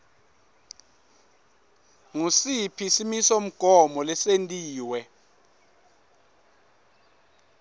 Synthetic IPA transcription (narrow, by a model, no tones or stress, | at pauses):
ŋusipʰisimisom̩ɡ̥ʱɔmɔlɛsentʼiːwɛ